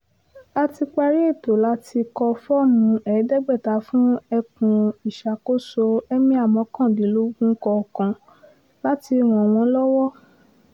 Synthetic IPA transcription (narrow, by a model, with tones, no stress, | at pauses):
a˦ti˧k͡pa˧ɾi˦e˦˨to˨la˦tʰi˧kɔ˧fɔ˦mũ˧˦ɛ˨˦dɛ˦˨ɡ͡bɛ˦˨ta˨˦fũ˦ɛ˧kũ˧i˨ʃa˨ko˦so˧ɛ˦mĩ˦a˦˨mɔ̃˨˦kã˦˨di˨˦lo˦ɡũ˦kɔ˧˨kã˧ | la˦ti˧w̃ɔ̃˨w̃ɔ̃˨˧˦lɔ˦wɔ˦